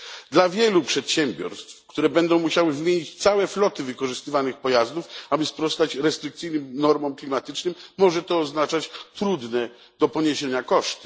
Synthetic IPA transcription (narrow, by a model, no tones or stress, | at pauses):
d̪lavʲjɛlupʂɛt̪ɕɛmbʲjɔ̰ɾst̪fkt̪uɾɛbɛnd̪ɔ̃w̃muɕawɘzmʲjeɲit͡ɕt̪sawɛflɔt̪ɘvɘkɔʐɘst̪ɘvanɘxpɔjazd̪ufabɘspɾɔst̪at͡ɕɾɛst̪ɾɘk̚t̪sɘjnɘmnɔɾmɔmklʲimat̪ɘt͡ʂnɘmːɔʐɛt̪ɔːznat͡ʂat͡ɕt̪ɾud̪nɛ | d̪̥ɔpɔɲeɕeɲakɔʂt̪